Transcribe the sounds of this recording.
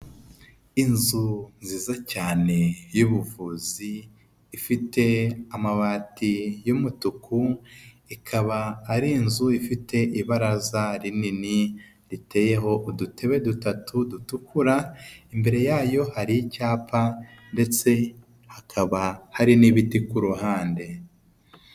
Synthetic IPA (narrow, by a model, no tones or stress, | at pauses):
inzunziːzacaːne̞juβuvuːziː | fite̞amaβaːtijumutukʰu | ikʰaβaːɾinzuifitʰe̞ʔiβaɾazaɾinini | ɾite̞ːje̞ɦo̞ʔdutʰe̞βe̞dutatʰudutukʰuɾaimbe̞ɾe̞jaːjo̞haɾiicaːpʰande̞t͡se̞ | hakʰaβahaɾiniβitikuɾuhaːnde̞